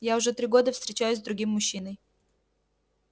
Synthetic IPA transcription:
jaʊʐɛt̪ɾʲiɡo̞d̪əfst̪ɾʲɪt͡ɕæjʊzʲzd̪ɾʊɡʲimːʊɕːinəj

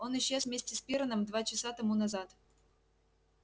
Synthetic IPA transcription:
o̞nɨɕːezvmʲesʲtʲɪspʲiɾənəmd̪vat͡ɕɪsat̪ɐmunɐzat̪

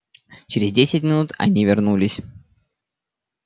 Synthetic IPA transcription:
t͡ɕɪɾʲɪzʲdʲesʲɪtʲmʲɪnut̪ɐ̰nʲivʲɪrnulʲɪsʲ

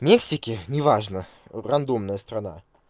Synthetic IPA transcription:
mʲeksʲɪkʲɪnʲɪvaʐnə | rɐnd̪umnəjəst̪ɾɐna̰

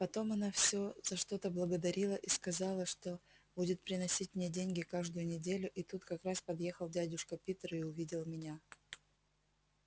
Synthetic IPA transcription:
pɐt̪o̞mɐnafsʲo̞z̥ɐʂt̪o̞t̪əblˠəɡəd̪ɐɾʲilˠəʔiskɐzɑlˠəʂt̪o̞ | budʲɪt̪̚pɾʲɪnɐsʲitʲmnʲedʲenʲɡʲɪkaʐd̪ʊjʊnʲɪdʲelʲʊʔit̪ut̪kɐkɾaspɐd̪je̞xəlˠdʲædʲʊʂkəpʲit̪əɾɪʊvʲidʲɪlˠmʲɪnʲa

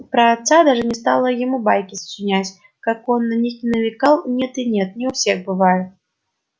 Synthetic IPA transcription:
pɾəːt̪sad̪aʐɨnʲɪst̪alˠəjɪmubajkʲɪst͡ɕɪnʲætʲ | kakonːɐnʲixnʲɪnəvʲɪkalˠnʲet̪ɨnʲet̪̚nʲɪʊfsʲexbɨvajʊt̪̚

